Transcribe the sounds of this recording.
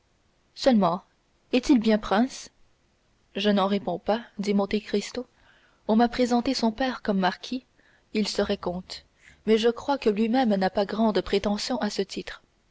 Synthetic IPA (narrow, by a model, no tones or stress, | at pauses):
sœlmɑ̃ | ɛt̪ilbjɛ̃pχɛ̃s | ʒənɑ̃ʁepɔ̃pad̪imɔ̃t̪ekʁist̪o | ɔ̃mapχezɑ̃t̪esɔ̃pɛːʁkɔmːaʁkʲʰi | ilsəʁɛkɔ̃t̪ | mɛʒəkχwakəlɥimɛmnapaɡʁɑ̃d̪pχet̪ɑ̃sjɔ̃ʔasət̪ʰit̪χ